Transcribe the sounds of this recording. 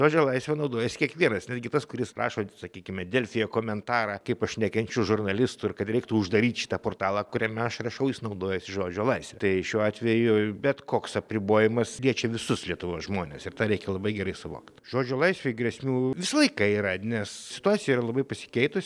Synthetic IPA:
ʒoːd͡ʒʲoːlˠɐɪsʲʋʲɛnɐʊd̪oːjɛsʲɪ̥kʲiɛkʋʲiɛnɐsnʲæd̪ʲɡʲɪt̪ɐskʊɾʲɪsrʔɑ̰ːʃoːsɐkʲiːkʲɪmʲɛdʲeːlʲfʲɪjoːkoːmʲɛnt̪ɑːɾɑːkɐɪpɐʃʲnʲækʲɛnʲt͡ʃʲʊʒʊrnɐlʲɪst̪ʊɪrkɐt̪ɾʲɛɪkt̪ʊʊʒd̪ɐɾʲiːt̪ʃʲɪ̥t̪ɐpoːrt̪ɑːlˠɑkʊɾʲɛmʲɛɐʃrɐʃɐʊjɪsnɐʊd̪oːjɛsʲɪʒoːd͡ʒʲoːlˠɐɪsʲʋʲɛt̪ɐɪʃʲuːɑːt̪ʲʋʲɛjʊbʲɛt̪koːksɐpʲɾʲɪboːjɪmɐslʲiɛt͡ʃʲɛʋʲɪsʊslʲiɛt̪ʊʋoːsʒmoːnʲḛsɪrt̪ɑːɾʲɛɪkʲɛlˠɐbɐɪɡʲɛɾɐɪsʊʋo̰ːkt̪ʒoːd͡ʒʲoːlˠɐɪsʲʋʲeɪɡɾʲɛsʲmʲuːʋʲɪsɐlˠɐɪkɐiːɾɐnʲɛssʲɪ̥t̪ʊɑːt͡sʲsʲɪjɛiɾɐlˠɐbɐɪpɐsʲɪ̥kʲɛɪt̪ʊsʲ

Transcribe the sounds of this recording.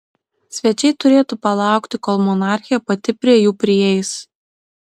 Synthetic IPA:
sʲʋʲɛt͡ʃʲɛɪt̪ʊɾʲeːt̪upɐlˠɑˑʊkt̪ʲɪkɔlˠmɔnɑˑɾʲxʲɪjɛpɐt̪ʲɪpʲɾʲiɛjuːpʲɾʲɪjɛɪs

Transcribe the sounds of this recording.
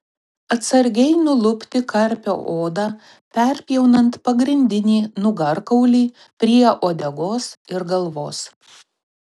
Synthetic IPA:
ɐt̪sɐɾʲɡʲɛɪnʊlˠʊpʲt̪ʲɪkɐɾʲpʲo̰ːʔoːd̪ɑ | pʲɛɾʲpʲijɛʊnɐnt̪pɐɡɾʲɪnʲd̪ʲɪnʲiːnʊɡɐɾkɐʊlʲiː | pʲɾʲiɛʔoːd̪ʲɛɡoːsɪɾɡɐlˠʋoːs

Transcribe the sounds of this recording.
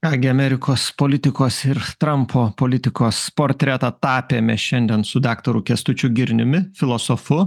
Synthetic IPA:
kɑːɡʲɪɐmʲɛɾʲɪkoːspoːlʲɪt̪ʲɪkoːsɪɾt̪ɾɐmpʰoːpoːlʲɪt̪ʲɪkoːspoːɾʲt̪ʲɾʲɛt̪ɐt̪ɑːpʲeːmʲɛʃʲɛnʲd̪ʲɛnsʊd̪ɑːkt̪oɾʊkʲɛst̪ʊt͡ʃʲʊɡʲɪɾʲnʲʊmʲɪfʲɪlˠoːsofʊ

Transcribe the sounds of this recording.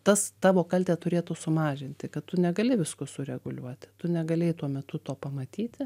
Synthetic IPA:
t̪ɐst̪ɑːʋoːkɐlʲt̪ʲɛːt̪ʊɾʲeːt̪ʊsʊmɑːʒʲɪnʲt̪ʲɪkɐt̪t̪ʊnʲɛɡɐlʲɪʋʲɪskʊsʊɾʲɛɡʊlʲuɔt̪ʲɪt̪ʊnʲɛɡɐlʲeɪt̪uɔmʲɛt̪ʊt̪oːpɐmɐt̪ʲiːt̪ʲɪ

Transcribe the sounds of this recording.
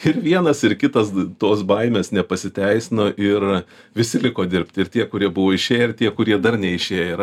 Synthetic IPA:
ɪɾʋʲiɛnɐsɪɾkʲɪt̪ɐst̪oːsbɐɪmʲeːsnʲɛpɐsʲɪt̪ʲɛɪsʲɪnoːʔɪr | ʋʲɪsʲɪlʲɪkoːd̪ʲɪɾʲpʲt̪ʲɪrt̪ʲiɛkʊɾʲiɛbʊʋoːɪʃʲeːjɪt̪ʲiɛkʊɾʲiɛd̪ɐrnʲɛɪʃʲeːjɪr

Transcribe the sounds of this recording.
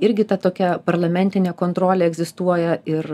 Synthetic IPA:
ɪɾʲɡʲɪt̪ɐt̪oːkʲɛpɐɾlˠɐmʲɛnʲt̪ʲɪnʲeːkoːnt̪ɾoːlʲeːɛɡzʲɪst̪uɔjɛɪr

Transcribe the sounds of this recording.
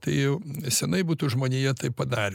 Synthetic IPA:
t̪ɐɪjɛʊsʲɛnɐɪbuːt̪ʊʒmoːnʲejɛt̪ɐɪpɐd̪ɑːɾʲ

